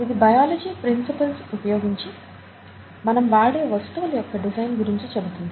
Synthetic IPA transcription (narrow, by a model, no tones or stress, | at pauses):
id̪ibɐjaːlɐd͡ʒiːpɾinsipɐlsupɐjoːɡiɲt͡ʃi | mɐnɐmʋaːɽe̞ːʋɐst̪uʋɐlɐjɔkːɐɖid͡ʒɐjnɡuɾiɲt͡ʃit͡ʃe̞but̪und̪ii